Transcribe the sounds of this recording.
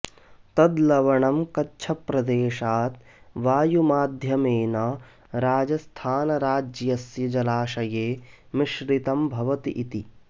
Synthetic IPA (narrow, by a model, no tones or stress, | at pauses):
t̪ɐd̪lɐʋɐɳɐmkɐtːt͡ʃʰɐpɾɐd̪eːʃaːt̪̚ | ʋaːjumaːd̪ʱjɐmeːnɐ | ɾaːd͡ʒɐst̪ʰaːnɐɾaːd͡ʒjɐsjɐd͡ʒɐlaːʃɐjeː | miʃɾit̪ɐmbʱɐʋɐt̪iʔit̪i